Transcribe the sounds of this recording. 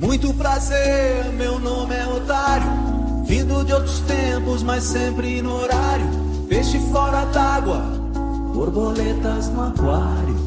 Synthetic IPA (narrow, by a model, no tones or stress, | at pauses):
mũj̃t̪ʊpɾazeɾɾmewnõmɪɛot̪aɾjʊ | vĩnd̪ʊd͡ʒɪowt̪ɾʊst̪ẽpʊzmajsẽmpɾɪnʊoɾaɾjʊ | veʃɪfɔɾɐd̪aɡwɐ | boɾbolet̪ɐznʊakwa | ɾjʊ